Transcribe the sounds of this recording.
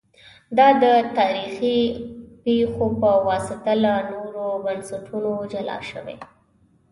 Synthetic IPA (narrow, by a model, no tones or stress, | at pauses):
d̪ɑd̪ət̪ɑɾixipexopəwɑsɪt̪alanoɾobansaʈʰunod͡ʒalɑ̰ʃə̰wḛ